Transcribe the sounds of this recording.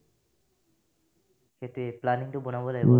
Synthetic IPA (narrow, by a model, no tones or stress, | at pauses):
ket̪ueplaniŋʈobonabole